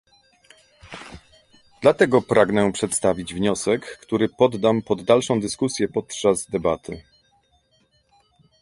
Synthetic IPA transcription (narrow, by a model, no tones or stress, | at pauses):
d̪̥lat̪ɛɡɔpɾaɡnɛpʂɛt̪st̪avʲid͡ʑvɲɔsɛkːt̪uɾɘpɔd̪ːampɔd̪ːalʂɔ̃w̃d̪ɘskusʲjɛpɔt̪t͡ʂazd̪ɛbat̪ʰɘ